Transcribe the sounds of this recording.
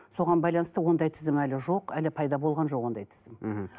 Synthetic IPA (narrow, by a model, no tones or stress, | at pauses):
so̞ʁɑnbɑjlˠɑnəst̪əwo̞nd̪ɑjt̪ʰɪzɪmælɪʒo̞qælɪpʰɑjd̪ɑbo̞lˠʁɑnʒoqwo̞nd̪ɑjt̪ʰɪ̥zɪm̩